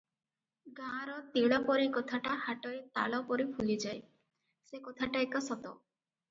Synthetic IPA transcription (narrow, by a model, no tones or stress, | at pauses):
ɡãɾɔt̪iɭɔpɔɾikɔt̪ʰaʈahaʈɔet̪a̰ɭɔpɔɾipʰulid͡ʒaj | sekot̪ʰaʈaekɔsɔt̪ɔ̰